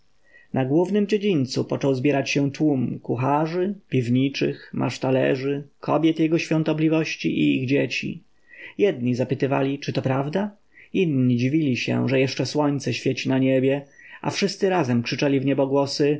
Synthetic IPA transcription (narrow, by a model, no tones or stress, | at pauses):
naɡwuvnɘmd͡ʑed͡ʑinʲt̪supɔt͡ʂɔwzbʲjɛɾat͡ɕɕɛt̪wumkuxaʐɘpʲivɲit͡ʂɘ̰xmʔa̰ʂt̪alɛ̰ʐɘkʰɔbʲjɛt̪jɛɡɔɕfʲjɔ̃nt̪ɔblʲivɔɕt͡ɕiʔiiɣd͡ʑet͡ɕḭ | jɛd̪̚ɲizapɘt̪ɘva̰lʲit͡ʂɘt̪ɔpɾavd̪a | inɲid͡ʑivʲilʲiɕɛ̰ʐɛjɛʂt͡ʂɛswɔɲt̪sɛɕfʲjet͡ɕinaɲebʲjɛa̰fʂɘst̪sɘɾazɛmkʂɘt͡ʂɛlʲivɲɛbɔɡwɔsɘ